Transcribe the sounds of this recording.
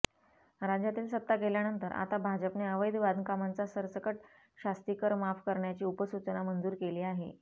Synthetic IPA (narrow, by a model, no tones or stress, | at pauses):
ɾad͡ʑjat̪iːlsət̪ːaɡeljanənt̪əɾa̰t̪abʱad͡ʑəpneəʋəjd̪ʋad̪ʱnəkamant͡sasəɾsəkəʈ̚ | ɕast̪ikəɾmafkəɾɳjat͡ɕiːupəsut͡sənamənd͡zuːɾkeliːaɦḛ